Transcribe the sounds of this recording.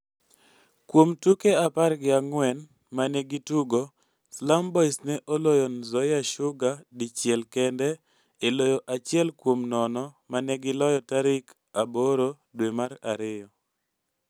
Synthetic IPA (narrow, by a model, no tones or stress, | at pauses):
kwomtukeaparɡɪaŋwɛn | manɛɡituɡo | slambɔisnɛʔolojonzɔjaʃʊɡadɪt͡ʃjɛlkɛndɛ | elojoʔat͡ʃɪɛlkwomnɔnɔmanɛɡɪlɔjɔtaɾɪk | aboɾo | dwemaɾa̰ɾɪjɔ